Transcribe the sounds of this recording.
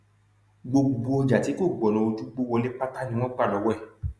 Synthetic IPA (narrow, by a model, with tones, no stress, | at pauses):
ɡ͡bo˧ɡ͡bu˨bu˧ɔ˧d͡ʒa˨ti˨˦ko˦˨ɡ͡bɔ˨nɔ̃˨o˧tu˦ɡ͡bo˦wɔ˧le˦k͡pa˦ta˦nĩ˧w̃ɔ̃˦ɡ͡ba˦˨lɔ˨˧˦wɔ˦ɛ˦˨